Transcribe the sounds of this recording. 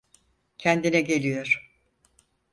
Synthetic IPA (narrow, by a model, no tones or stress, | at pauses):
cʰɛnd̪inɛɟe̞lʲijo̞ɾ̥